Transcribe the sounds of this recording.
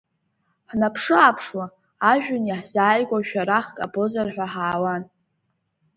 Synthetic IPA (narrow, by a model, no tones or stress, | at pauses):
ħnapʰʂɨapʰʂwaː | ʒᶣʊnjaħz̥aːjɡʷaʃᶣaɾaχkʼabozarħʷᶣaħaːwan